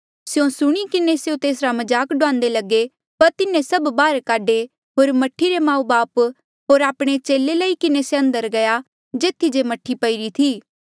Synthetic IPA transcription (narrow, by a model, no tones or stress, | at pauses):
sjõsʊɽ̃ikɪnesjõt̪eːsɾamɐd͡ʒaːkɖʊãːnd̪elɐɡe | pɐɾt̪ɪnẽsɐbbaːɾkaːɖe | ɦoːɾmɐʈʰiɾemãːũbaːp | ɦoːɾaːpɽ̃et͡ʃeːleləikɪneseɐ̃nd̪əɾɡɐja | d͡ʒeːt̪ʰːid͡ʒemɐʈʰːipɐiɾit̪ʰiː